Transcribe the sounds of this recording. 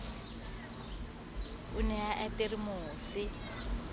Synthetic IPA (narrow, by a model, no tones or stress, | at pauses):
unɛaʔɛpʼirimoːsi